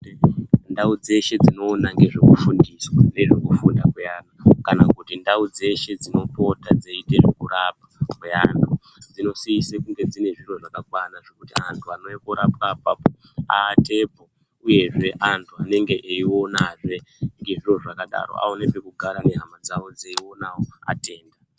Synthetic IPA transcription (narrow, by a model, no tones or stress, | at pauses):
ndaud͡ze̞ʃe̞d͡zino̞ːnaŋɡe̞ʐe̞kufundiswane̞ʐekufundakwe̞aːnakanakutindaud͡ze̞ʃe̞d͡zino̞po̞tad͡zeite̞ʐekurap̚ḁkwe̞a̰ntʰu | d͡zino̞siisekuŋɡe̞d͡zine̞ʐiro̞ʐakakwanaʐe̞kutiantʰuano̞ekoɾap̚ap̚apo | a̰te̞po | uje̞ʐe̞ʔantʰuane̞ŋɡe̞ʔeio̞naʐe̞ŋɡe̞ʐiro̞ʐakaɗa̰ro̞̰a̰o̞nepe̞kuɡʱaɾane̞ɦamad͡zawo̞d͡zeiwo̞nawoa̰te̞ːnda